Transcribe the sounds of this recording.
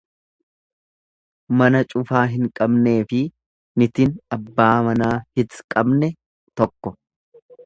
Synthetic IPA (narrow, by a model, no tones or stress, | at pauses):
mɐnɐt͡ʃʼʊfaːɦɪŋkʼɐbne̞ːfɪ | nɪt̪ɪnɐbːaːmɐnaːhɪt̪kʼɐbnɛ | t̪ɔkːɔ